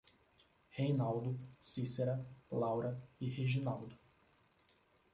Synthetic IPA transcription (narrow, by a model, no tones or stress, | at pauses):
hejnawd̪ʊsiseɾɐlawɾɐiheʒinawd̪ʊ